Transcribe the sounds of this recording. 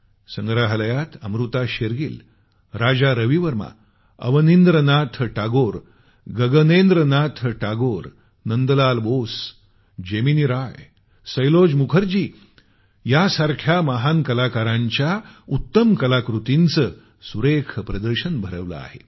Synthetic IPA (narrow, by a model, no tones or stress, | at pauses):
səŋɡɾaɦələjat̪ə̰mɾut̪aɕeɾɡḭːl | ɾad͡zaɾəʋiʋəɾma̰ | ə̰ʋənind̪ɾənat̪ʰʈaɡoɾ | ɡəɡənend̪ɾənat̪ʰʈaɡoːɾ | nənd̪əlalboːs | d͡ʑeminiɾaj | səjlod͡ʑmukʰəɾd͡ʑiː | jasaɾkʰjaməɦankəlakaɾãɲt͡ɕjaut̪ːəmkəlakɾut̪int͡sə | suɾekʰpɾəd̪əɾɕənbʱəɾəʋlə̰a̰hḛ